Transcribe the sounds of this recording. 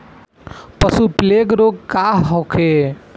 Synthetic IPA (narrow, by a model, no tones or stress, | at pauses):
pəsupleɡɾoɡ̚kaɦɦokʰe